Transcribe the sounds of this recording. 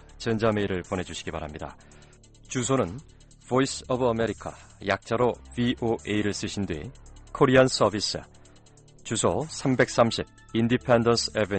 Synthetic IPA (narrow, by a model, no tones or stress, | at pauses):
t͡ɕʌnd͡ʑame̞iɾɯɭpone̞d͡ʑuɕʰi̥ɡiba̰ɾamɲida̰ | t͡ɕusʰonɯn | v̥oisʌbʌme̞ɾikʰa̰jak̚t͡ɕ͈aɾoviʔoʔeiɾɯɭs͈ɯɕʰindwɥḭkʰoɾians͈ʌbʱis͈ɯ̰ | t͡ɕusʰosʰambe̞k̚s͈amɕʰib̚ | indipʰendʌnsʰebe